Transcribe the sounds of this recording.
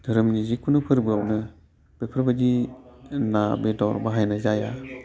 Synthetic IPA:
dʱɯɾɯmnizikʰunɯpʰɯɾbɯawnɯ | b̥epʰɯɾbadi | nabedawɾbaɦajnazaja

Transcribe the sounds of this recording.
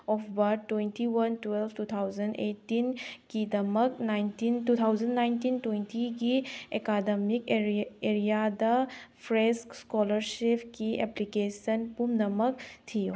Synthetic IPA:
ɔpʰbatːwejntiwɐntwelbʰtut̪ʰawzɐnḛtːinkidɐmɐknajntintut̪ʰawd͡ʒɐnːajntintwejntiɡiekademikeeɾijadɐpʰɾeskskɔlɐɾsipkieplikesɐnpumnɐmɐktʰijo

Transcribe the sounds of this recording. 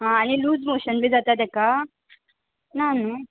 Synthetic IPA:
ɦãːñiluːd͡zmoɕənbʱiːd͡zat̪at̪ɛka | nano

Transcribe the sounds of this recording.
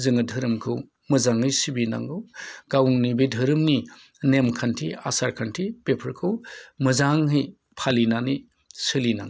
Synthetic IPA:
zɯŋɯdʱɯɾɯmkʰɯw | mɯzaŋhɯjsibina̰ŋɡɯwɡawŋnibidʱɯɾɯmni | nemkʰantʰia̰saɾkʰantʰipepʰɐɾkʰɯwmɯzaŋɦɯj | pʰalinani | sɯlina̰ŋ

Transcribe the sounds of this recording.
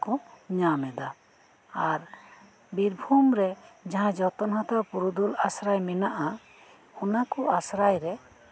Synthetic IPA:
kɔɲamɛd̪a | aɾ | biɾbʱumɾɛd͡ʒaɦãd͡ʒɔt̪ɔnɦɔ̃t̪ɔpuɾud̪ulasɾajmɛnaʔa | ɔnakɔʔasɾajɾɛ

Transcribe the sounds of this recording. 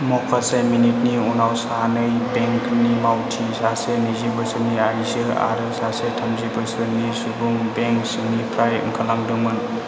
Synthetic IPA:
mɔkʰːaseminit̚niunawsanɐjbeŋknimawtʰisasenizibɐsɯniaɾisiɾa̰ɾɯsasetʰɐmzibɯsɯɾnisubuŋbeŋk̚sinipʰɾajɯ̰ŋkʰɐlaŋdɯŋmɯn

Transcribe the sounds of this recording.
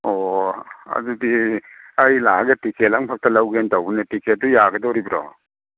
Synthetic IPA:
ɔ | a̰d͡ʒudi | ajlaɡetikʰelaŋpʰak̚talawɡentawbinetikʰel̚dujaɡɐdɔɾibɾɔ̰

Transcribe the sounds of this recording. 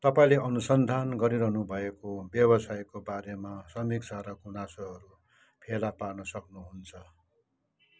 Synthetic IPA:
t̪ʌpaĩleʔʌnusʌnd̪ʱanɡʌɾiɾʌɦnubʱʌekobjʌbʌsajkobaɾemasʌmiksʰaɾʌɡunasoɦʌɾu | pʰelaparnʌsʌknuɦunt͡sʰʌ

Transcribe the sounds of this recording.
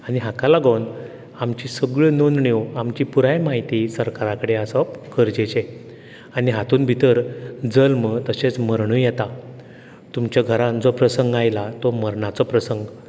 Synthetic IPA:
añiɦakalaɡawn | amt͡ɕisəɡɭənonɳewamt͡ɕipuɾajmaɦit̪isəɾkaɾakəɽeəsɔkʰəɾd͡ʑet͡ɕe | aniɦat̪uːnbʱit̪əɾd͡zəlmət̪əɕet͡sməɾɳuːjɛt̪a | t̪umt͡ɕaɡʱəɾand͡zopɾəsəŋɡajlat̪ɔməɾɳat͡sɔpɾəsəŋɡ

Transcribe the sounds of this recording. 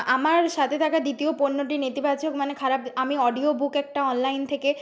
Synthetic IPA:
amaɾʃat̪ʰet̪ʰakad̪it̪ioponːoʈinet̪ibat͡ɕokmanekʰaɾabamiɔɖiobukɛk̚ʈaɔnlajnt̪ʰeke

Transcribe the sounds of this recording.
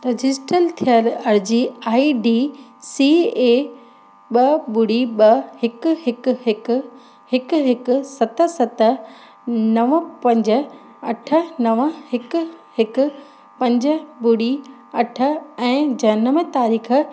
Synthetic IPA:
t̪ɐd͡ʑɪsʈəlt̪ʰijəɾɐɾd͡ʑiaːiɖiːsiːeː | ɓɐbʊɽiɓɐhɪkʊhɪkʊɦɪk | hɪkʊɦɪkʊ̆sɐt̪ə̆sɐt̪ə | nɐʋəpɐ̃ɲd͡ʑə̆ | ɐʈʰə̆nɐʋəhɪkʊhɪkʊ̆ | pɐ̃ɲd͡ʑə̆bʊɽi | ɐʈʰə̆ɛ̃ːd͡ʑɐnəʋə̃t̪aːɾiːxʰə̆

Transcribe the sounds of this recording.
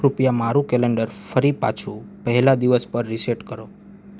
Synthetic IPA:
ɾupjamaɾũkɛlɛɳɖəɾfəɾipa̰t͡ʃʰũpəɦɛlad̪iʋəspəɾːiseʈkəɾo

